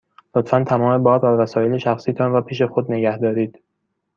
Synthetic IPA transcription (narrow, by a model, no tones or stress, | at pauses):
lot̪fænt̪ʰæmɒːme̞bɒːɾbævæsɒːje̞leʃæxsiːt̪ʰɒːnvæpʰiːʃe̞xod̪ne̞ɡæhd̪ɒːɾiːd̪̥